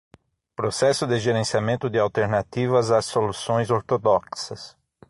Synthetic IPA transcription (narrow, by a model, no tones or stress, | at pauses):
pɾosɛsʊd̪ɪʒeɾẽsiamẽnt̪ʊd̪ɪawt̪eɾnat̪ivɐzasolusõj̃zoɾt̪od̪ɔksɐs